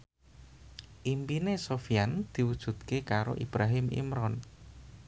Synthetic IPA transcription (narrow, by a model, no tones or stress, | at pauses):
ʔimpinesofijand̪̥i̤wud̥ʒ̥ṳd̪̚kekaɾo̰ʔib̥ɾaɦɪmḭmɾɔn